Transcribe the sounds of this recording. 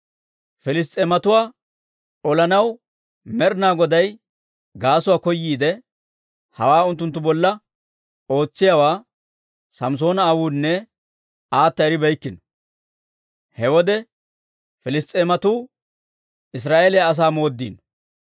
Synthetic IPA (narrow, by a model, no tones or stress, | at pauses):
fɛlɪs̬t̪ʼːeːmɐt̪ʊwaː | ɔlɐnɐw | mɛɾnaːɡɔd̪ɐj | ɡaːsʊwaːkɔjːiːd̪ɛ | hɐ̰waːʊnt̪ːʊnt̪ːʊbɔlːɐ | o̞ːt͡sːɪjawaː | sɐms̬o̞ːnɐːwuːnːɛ | aːt̪ːɐɛɾɪbɛjkːɪnɔ̥ | hɛwɔd̪ɛ | fɪlɪst̪ʼeːmɐt̪uː | ʔɪs̬ɾaːʔeːlɛjaːs̬aːmo̞ːd̪ːḭːn